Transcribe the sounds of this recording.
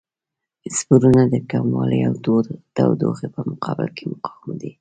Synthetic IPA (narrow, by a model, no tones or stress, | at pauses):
spuɾunad̪əkamwɑləjawt̪oɾd̪̥a̰wd̪o̰xepəmʊqɑbɪ̰lkʰemʊqɑ̥wmd̪i